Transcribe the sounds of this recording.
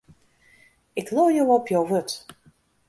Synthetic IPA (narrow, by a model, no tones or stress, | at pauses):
ɪkloːjowɔpʰjowʋøt